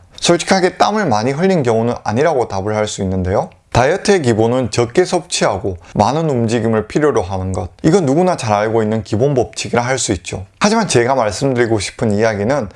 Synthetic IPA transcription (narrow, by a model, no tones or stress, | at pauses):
sʰʌɭt͡ɕʰi̥kʰaɡe̞t͈amɯɭmaɲiɦɯʎːinkjʌŋunɯna̰ɲiɾaɡotabɯɭhaɭs͈uinːɯnde̞jo | tajʌtʰek̬ibonɯnt͡ɕʌk͈e̞sʰʌp̚t͡ɕʰiɦaɡomanɯnumd͡ʑiɡimɯɭpʰiɾjoɾoɦanɯnɡʌd̚iɡʌnuɡunat͡ɕaɾaɭɡoinːɯnkibonbʌp̚t͡ɕʰiɡiɾaɦaɭs͈uit̚t͡ɕ͈ohad͡ʑimant͡ɕe̞ɡamaɭs͈ɯmdɯɾiɡoɕʰi̥pʰɯnijaɡinɯn